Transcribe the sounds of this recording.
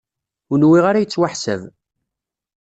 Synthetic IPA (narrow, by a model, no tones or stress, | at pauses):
unwiʁaɾajət͡sːwaħsæ̰v